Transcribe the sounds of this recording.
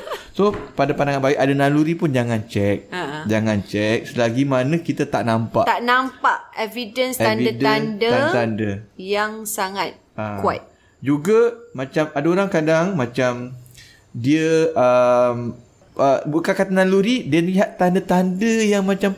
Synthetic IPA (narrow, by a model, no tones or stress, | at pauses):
sopadapandaŋanbaɪʔadanaluɾipʊnd͡ʒaŋant͡ʃɛk̚ad͡ʒaŋant͡ʃɛk̚səlaɡimanə̃kit̪at̪aʔnampa̰ʔt̪aʔnampaʔɛvidənsaniədandəat̪andəjaŋsaŋat̪̚ | akwa̰t̪̚ | d͡ʒuɡamat͡ʃamadaoɾaŋkadaŋmat͡ʃam | diəəm | ʔəbukakat̪analuɾidiənəliɦat̪ːandət̪andəjaŋmãt͡ʃam